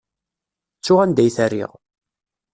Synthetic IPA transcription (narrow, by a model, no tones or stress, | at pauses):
t͡sːʊʁænd̪æjθærːḭʁ